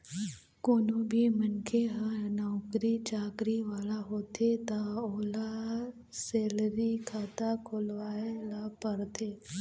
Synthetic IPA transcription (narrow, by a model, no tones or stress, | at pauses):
koːnobʱimənkʰeɦanɔːkɾit͡ʃaːkɾiʋaːlaɦoːt̪ʰet̪aoːla | seːlɾikʰaːt̪akʰoːlʋaːelapəɾt̪ʰeː